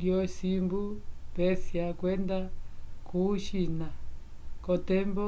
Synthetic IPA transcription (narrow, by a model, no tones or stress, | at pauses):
jɔsimbupɛsiakwɛndakʰuʃina | kɔtɛmbɔ